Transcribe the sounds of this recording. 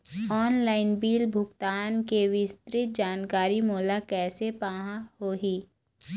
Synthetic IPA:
ɔːnlaːɪnbiːlbʱʊɡt̪aːnkeʋɪst̪ɾɪt̪̚d͡ʒaːnkaːɾimɔːlakɛːsepaːɦãhoːɦiː

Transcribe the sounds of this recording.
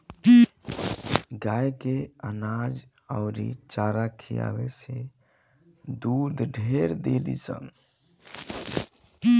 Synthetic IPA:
ɡajkeənad͡ʒ | aʊɾḭt͡ʃaɾakʰija̰bese | d̪ud̪ɖʱeɾd̪elḭsə̰m

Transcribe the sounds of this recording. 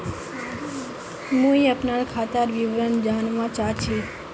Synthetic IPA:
mũiəpnankʰat̪əɾʋiʋɾənd͡ʒanmãt͡ʃat͡ʃʰi

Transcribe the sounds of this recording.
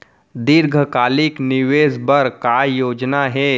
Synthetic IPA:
d̪ɪɾɡʱəkaːlɪknɪʋeːzbəɾkajoːd͡ʒnaɦɛː

